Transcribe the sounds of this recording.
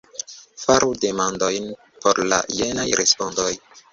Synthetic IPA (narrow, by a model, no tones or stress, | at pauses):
faɾʔude̞mandojn | poɾla̰jenajɾʔespondoj